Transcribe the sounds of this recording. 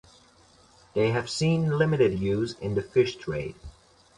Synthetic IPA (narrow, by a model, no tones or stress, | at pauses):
ðeɪɨv̥sĩnlɪmɨɾɨd̚jʉzɪ̰̃nðɨfɪʃtʰɹ̥eɪd̥